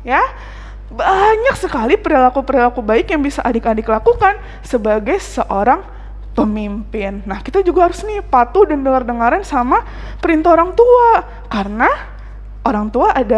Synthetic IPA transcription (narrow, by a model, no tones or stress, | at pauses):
ja | baɲaksəkalipəɾilakupəɾilakubaɪkjaŋbisaʔadakadikəlakukan | səbaɡajsəʔoɾaŋ | pəmimpɪnːahkit̪ad͡ʒuɡaɦaɾʊsnipat̪udandəŋardəŋaɾansama | pəɾint̪aoɾaŋt̪ua | karəna | ʔoɾaŋt̪uaʔada